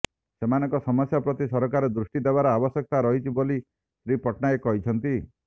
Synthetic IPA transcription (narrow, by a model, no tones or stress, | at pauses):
semanɔŋkɔsɔmɔsjapɾɔt̪isɔɾɔkaɾed̪ɾusʈid̪ebaɾɔabɔsjɔk̚t̪aɾɔɦit͡ʃʰiboli | sɾipɔʈnaekɔɦit͡ʃʰɔnt̪i